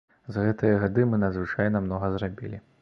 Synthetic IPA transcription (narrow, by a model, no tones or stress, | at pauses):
zɣɛt̪ɨjɐɣad̪ɨmɨnɐd̪zvɨt͡ʂajnɐmnɔɣɐzrabʲḭlʲi